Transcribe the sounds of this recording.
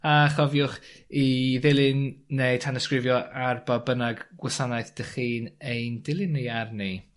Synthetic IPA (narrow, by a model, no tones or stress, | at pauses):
aχɔvjʊχiðɪlˠɪnːejtʰanəskrɪvjɔʔarbabənaɡɡ̥wɔsanajθd̥əχiːnejndɪlˠɪnːearni